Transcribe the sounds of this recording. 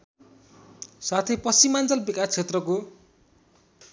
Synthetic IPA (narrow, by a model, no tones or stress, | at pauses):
sat̪ʰepʌsimant͡sʌlbikast͡sʰet̪rʌko